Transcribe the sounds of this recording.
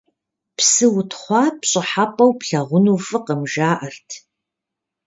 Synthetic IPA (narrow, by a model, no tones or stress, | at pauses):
psɨwʊtʰχʷɑːpɕʼɪħapʼɐwpɬɐʁʷʊnuːfɨqəmʒaːʔɐrtʰ